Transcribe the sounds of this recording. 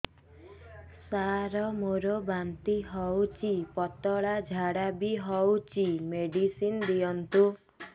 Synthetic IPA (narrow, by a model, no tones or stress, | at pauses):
saɾɔmoɾobant̪iɦɔwt͡ʃipɔt̪ɔɭad͡ʒʱaɽabiɦɔwt͡ʃimeɖisind̪ijɔnt̪u